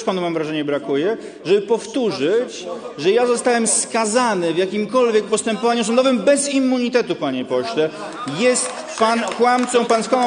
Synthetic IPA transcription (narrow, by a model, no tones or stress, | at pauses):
ʂpanumamvɾaʐɛɲɛbɾakujɛ | ʐɛbɘpɔft̪uʐɘt͡ɕʐɛjazɔst̪awɛmskazanɘvʲjakʲimkɔlvʲjɛk̚pɔst̪ɛmpɔvaɲus̬ɔnd̪ɔvɘmbɛzimːuɲit̪ɛt̪upaɲɛpɔɕlɛ | jɛst̪ | pankwamt̪sɔ̃w̃panskwa